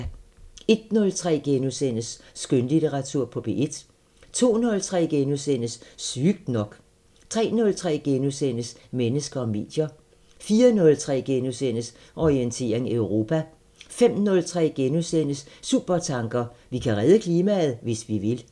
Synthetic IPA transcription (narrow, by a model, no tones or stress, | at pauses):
e̝d̥̚nɔ̽lt͡sʰʁɛ̰ːɡ̥enosen̰əsːɡ̥ønlid̥əʁɑ̈t͡sʰuɐ̰pʰɒ̽b̥e̝ʔe̝d̥ | t͡sʰo̝̰ːnɔ̽lt͡sʰʁɛ̰ːɡ̥enosen̰əssyːɡ̥̚d̥nɒ̽ɡ̥ | t͡sʰʁɛ̰ːnɔ̽lt͡sʰʁɛ̰ːɡ̥enosenəsmenəsɡ̥ɐɒ̽me̝̰ːd̥jɐ | fiːɐnɔ̽lt͡sʰʁɛ̰ːɡ̥enosen̰əs | ʔɒʁient͡sʰe̝̰ɐe̝ŋeʊʁo̝ːpʰæ | fem̰nɔ̽lt͡sʰʁɛ̰ːɡ̥enosenəssuːb̥ɐt͡sʰɑ̈ŋɡ̥ɐʋikʰæʁɛð̞ˠəkʰliːmæð̩ˠʋe̝sʋiʋe̝l